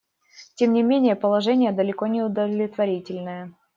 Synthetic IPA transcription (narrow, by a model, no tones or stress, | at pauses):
tʲe̞mnʲɪmʲenʲɪjəpəlˠɐʐɛnʲɪjəd̪əlʲɪkonʲɪʊd̪əlʲɪt̪vɐɾʲitʲɪlʲnəjə